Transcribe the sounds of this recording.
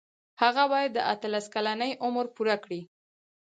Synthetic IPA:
haɣabɑjad̪ːəʔat̪əlaskalanəjʔʊməɾpuɾakɽi

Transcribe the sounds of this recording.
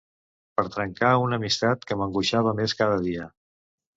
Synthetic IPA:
pəɾt̪ɾəŋkaunəmist̪at̪kəməŋɡuʃaβ̞əmeskað̞əðiə

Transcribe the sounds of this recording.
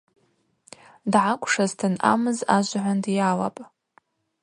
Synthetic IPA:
dʕakʷʰʼʂaztʰɨna̰mɨzaʒʷʕʷandijala̰pʼ

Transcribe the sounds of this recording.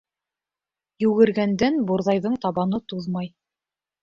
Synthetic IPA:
jʉɡɘ̆ɾɡænd̪ænbuɾðɑjðɤɴt̪ɑβɑnɤt̪uðmɑj

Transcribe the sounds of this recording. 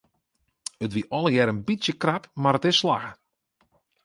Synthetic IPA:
ətʋiʔɔlˠəjɛɾənbisjəkrapmaɾətɪssla̰ɣə

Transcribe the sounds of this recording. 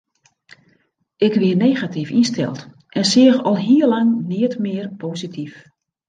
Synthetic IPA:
ʔɪkʋɪəneːɣatifinstɛ̰lˠt | ʔɛnsɪəxɔlˠɦiərlaŋniətmɪərpʰositʰif

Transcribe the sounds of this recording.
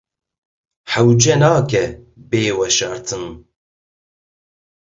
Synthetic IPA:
ħawd͡ʒɛnaːkɛ | beːwɛʃɐɾt̪ʰɨn

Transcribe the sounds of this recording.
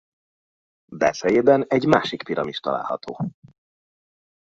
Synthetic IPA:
bɛ̰sɛjeːbɛnɛɟmaːʃikpiɾɒmiʃt̪ɒ̰la̰ːlhɒ̰t̪ʰo̰ː

